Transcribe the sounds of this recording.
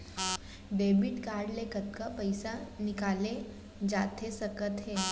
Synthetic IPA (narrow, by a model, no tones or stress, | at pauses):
ɖeːbɪʈkaːɾɖlekət̪kapɐɪsanɪkaːle | d͡ʒaːt̪esəkət̪ɦɛː